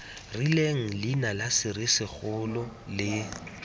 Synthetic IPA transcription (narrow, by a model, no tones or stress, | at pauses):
rileŋ̩linalasɪɾɪsɪk͡xʊlɔlɪ